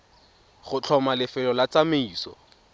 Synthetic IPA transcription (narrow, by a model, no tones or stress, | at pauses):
χʊt͡ɬʰɔmalɪfɪlɔlat͡sameiːsɔ̰